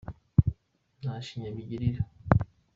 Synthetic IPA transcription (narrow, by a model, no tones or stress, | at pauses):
naʃiɲamiɟiɾiɾa